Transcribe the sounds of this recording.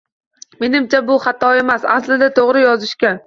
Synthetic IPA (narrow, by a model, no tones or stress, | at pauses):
me̞nɪmt͡ʃʰabʊχat̪ʰɒe̞masaslɪd̪at̪ʰoʁɾɪjɒzɪʃkʲa